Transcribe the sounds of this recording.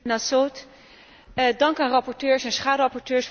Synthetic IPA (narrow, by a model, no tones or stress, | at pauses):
nasot | dɑŋkaːnrɑpɔɹtøːɹsɛnsχaːdərɑpɔɹtøːɹs